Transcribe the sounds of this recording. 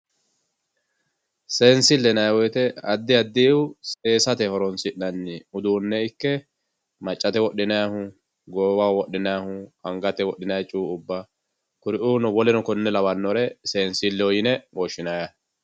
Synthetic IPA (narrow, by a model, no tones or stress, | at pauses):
seːnsɪlːɛnɐjwɔjt̪ɛɐd̪ːɪɐd̪ːiʊse̞ːsɐt̪ɛhɔɾɔnsɪʔnɐnːɪʊd̪uːnːɛɪkːɛ | mɐt͡ʃʼːɐt̪ɛwɔɗːɪnɐjahʊ | ɡɔwaːwɔɗːɪnɐjahʊhɐŋɡɐt̪ɛwɔɗːɪnɐjt͡ʃʼuːʊbːa | kʊɾɪʔuːnɔwɔlɛnɔkɔnːɛlɐwɐnːɔɾɛseːnsɪlːɛɔjɪnɛwɔʃːɪnajɐ